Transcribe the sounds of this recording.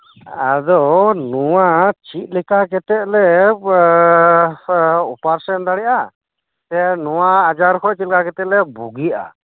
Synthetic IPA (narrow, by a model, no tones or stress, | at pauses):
ad̪ɔnuwat͡ʃit̪̚ˀlɛkak̬ɛt̪ɛt̪̚lɛ | upaɾsɛnd̪aɽɛʔa | t̪ɛnuwaːd͡ʒaɾkʰɔʔt͡ʃilkakɛt̪ɛʔlɛbuɡia̰